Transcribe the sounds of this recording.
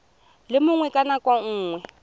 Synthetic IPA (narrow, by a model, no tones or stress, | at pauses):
lɪmʊŋwɛkʼanakʼwaŋ̩ːŋwɛ